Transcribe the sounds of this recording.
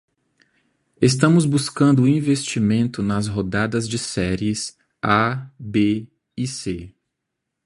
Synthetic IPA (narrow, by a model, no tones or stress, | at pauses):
est̪ɐ̃mʊzbuskɐ̃nd̪ʊĩvest͡ʃimẽnt̪ʊnɐzɦod̪ad̪ɐzd͡ʒɪsɛɾiɪs | abe | ise